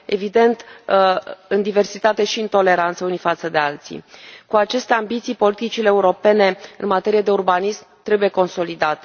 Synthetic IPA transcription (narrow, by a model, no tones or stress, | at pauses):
e̞vid̪e̞nt̪ | ɨnd̪ive̞rsit̪at̪e̞ʃiɨnt̪o̞le̞ɾant̪səunifat̪səd̪e̞alt̪sḭkuat͡ʃe̞st̪e̞ambit̪sijpo̞lit̪it͡ʃileːuɾo̞pe̞ne̞ɨnmat̪e̞ɾijed̪e̞urbanismt̪ɾe̞buje̞ko̞nso̞lid̪at̪e